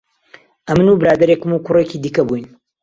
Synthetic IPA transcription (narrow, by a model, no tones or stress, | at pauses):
ʔɐmɨnubɨɾaːd̪ɐɾekɨmukʊreːkiːd̪iːkɐbujn